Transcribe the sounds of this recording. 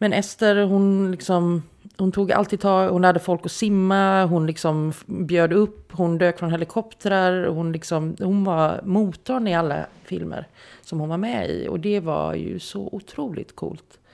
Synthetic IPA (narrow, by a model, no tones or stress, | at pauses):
mɛnɛft̪əɾɦʊnlɪksɔmhʊnt̪ʰuːɡʔa̰lt̪ʰiːd̪t̪ʰɑːɡhʊnhad̪ːəfɔlkɔsɪmːaɦʊnlɪksɔmbjøːd̪əɵpːhʊnd̪øːkfɾɔnhɛlɪkʰɔpt̪əɾəɾɔhʊnlɪksɔmhʊnvaɾmuːt̪ʰːɔːənd̪ɪalːa̰fɪ̰lmə̰ɾsɔmhʊnvaɾmɛḭɔ̰d̪ɛva̰jɵ̰sɔ̰ʔʊt̪ʰɾuːlɪ̰t̪kʰṵːlt̪